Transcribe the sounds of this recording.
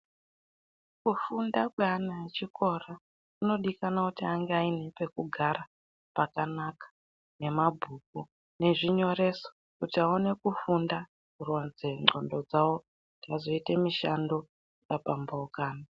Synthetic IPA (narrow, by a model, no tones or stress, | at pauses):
kufundakweanaet͡ʃikʰo̞ra | uno̞ɗikanakutiaŋɡeainepe̞kuɡʱaɾa | pakanakḁ | ne̞mabʱuːk̚u | ne̞ʐiɲo̞re̞so̥ | kutiaone̞kufunda | kuronzeŋ͡ǁondo̞d͡zawo̞ | ndikazo̞itemiʃando̞ | japambaukaːna